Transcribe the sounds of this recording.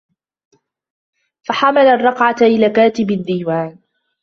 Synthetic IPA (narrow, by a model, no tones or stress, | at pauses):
faħamalarˤːɑqʕat̪ʔɪlaːkaːt̪ɪbad̪ːiːwaːn